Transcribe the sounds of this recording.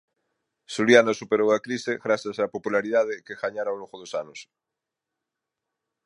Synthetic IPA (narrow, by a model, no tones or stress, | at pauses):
suljanasupeɾowakɾiseɣɾaθjasapopulaɾiðað̞ekeɣaɲaɾaoloɣoðosanos